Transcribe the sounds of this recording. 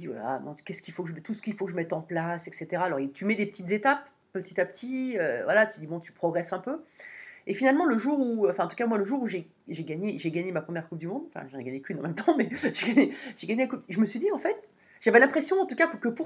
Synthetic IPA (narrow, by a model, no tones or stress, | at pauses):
d̪ivwa̰la̰mɛ̰̃kʲɛskʲilfokəʒəmɛt̪usə̥kilfokəʒəmɛt̪ɑ̃plasɛkset̪eʁaːlɔʁet̪ymɛd̪epət̪it̪zet̪apː | ət̪it̪apət̪ʰiøvwalat̪yyd̪ibɔ̃t̪y̥pχɔɡʁɛsɛ̃pø | efinalmɑ̃ləʒuʁuɑ̃fɛ̃ɑ̃t̪u̥kamwaləʒuʁuʒe | ʒeɡaɲeʒeɡaɲemapχəmjɛʁkup̚d̪ymɔ̃d̪ɑ̃fɛ̰̃ʒanɛɡaɲekʲynɑ̃mɛmt̪ɑ̃mɛʒeɡaɲeʒ̥eɡaɲelakup̚ʒəməsɥid̪iɑ̃fɛt̪ | ʒ̥avɛlɛ̃pχesjɔ̃ɑ̃t̪ukakkəpuʁ